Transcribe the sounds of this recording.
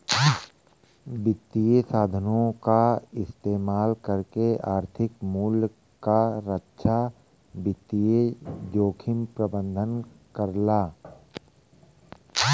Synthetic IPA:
bɪt̪ːijesaːd̪ʱənõkaɪst̪eːmaːlkəɾkeaːɾt̪ʰɪkmuːl | kaɾətːʃʰa | bɪt̪ːijed͡ʒoːkʰɪmpɾəbə̃nd̪ʱən | kəɾlaː

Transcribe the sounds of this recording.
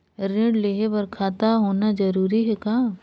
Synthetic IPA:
ɾẽːɽleːɦebɐɾkʰaːt̪aɦoːnad͡ʒɐɾuːɾiɦɛkaː

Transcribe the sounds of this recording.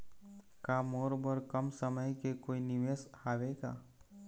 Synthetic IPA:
kaːmoːɾbəɾkəmsəməjkekoːinɪʋeːshaːʋeɡa̰ː

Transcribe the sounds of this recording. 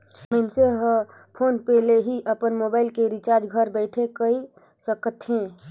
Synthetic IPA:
məɪnseɦə | pʰoːnpeleɦiʔəpənmoːbaɪlkeɾit͡ʃaɾd͡ʒɡʱəɾbəɪʈʰekəi | səkt̪ɦẽ

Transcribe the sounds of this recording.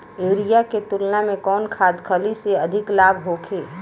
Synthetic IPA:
eːɾijaket̪ʊlnamẽkɔːnkʰaːd̪kʰəliseɐd̪ʱɪklaːbʱɦoːkʰeː

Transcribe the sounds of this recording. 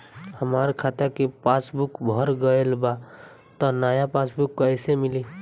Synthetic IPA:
həmaɾkʰat̪əɾkepasbukbʱəɾɡəelba | t̪ɔnajapasbukːəjsemili

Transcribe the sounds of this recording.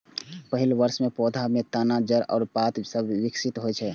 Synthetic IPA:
pəɦilʋəɾsmepɔd̪ʱamet̪anad͡ʒəɾɔ̰ːɾpat̪səbʱʋiksit̪ɦojt͡ʃʰɛ

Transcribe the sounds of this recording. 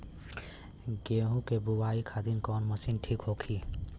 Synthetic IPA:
ɡeɦũkebuwaikʰad̪inkɔːnməsinʈʰiːkɦokʰiː

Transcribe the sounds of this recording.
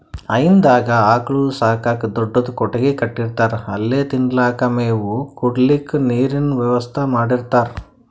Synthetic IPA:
ɐjind̪aːɡɐaːkɐɭusaːkaːkɐd̪ɔɖːod̪ukɔʈɐɡekɐʈːiɾt̪aːɾeɐlːeːt̪iɳɖlaːkɐmeːʋukuɽlikːniːɾinʋjɛʋɐst̪ʰɐmaːɽiɾt̪aːɾe

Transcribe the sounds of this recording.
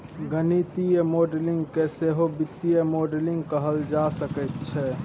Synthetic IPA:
ɡənit̪ijəmoɖelɪŋɡkeseɦobɪt̪ːijəmoːɖelɪ̃ŋɡkəɦəld͡ʒasəkət̪̚t͡ʃʰɛ

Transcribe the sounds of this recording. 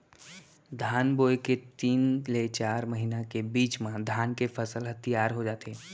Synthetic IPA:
d̪ʱaːnboːeket̪iːnlet͡ʃaːɾməɦinakebiːt͡ʃmãd̪ʱaːnkefʰəsəlɦɐt̪ijaːɾɦod͡ʒaːt̪eː

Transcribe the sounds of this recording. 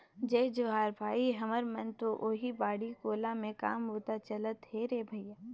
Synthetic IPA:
d͡ʒeːd͡ʒoɦaːɾbʱaːiɦɐməɾmɐnt̪oʔoːɦibaːɽikoːlamẽka̰ːmɦoːt̪at͡ʃɐlət̪ɦeɾeːbʱɐjjaː

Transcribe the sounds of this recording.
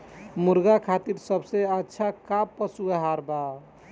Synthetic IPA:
muɾɡakʰat̪iɾsəbseətːʃʰakapːəsuaɦaɾba

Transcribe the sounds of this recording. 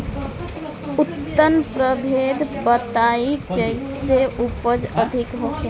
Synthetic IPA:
ʊt̪ːənpɾəbʱeːd̪ʱbət̪aid͡ʒəɪseʔupəd͡ʒəd̪ʱɪkɦoke

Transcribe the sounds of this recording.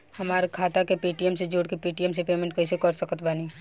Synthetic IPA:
hɐmaːɾekʰaːt̪akepiːʈiɛmsed͡ʒoːɽkepiːʈiɛmsepeːmɛ̃ɳʈ̚kɛːsekɐɾsəkət̪baːniː

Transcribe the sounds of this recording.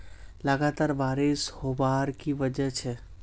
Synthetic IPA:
lɐɡaːt̪aːɾʋaːɾɪshobaːɾkiʋəd͡ʒəɦt͡ʃʰɛ

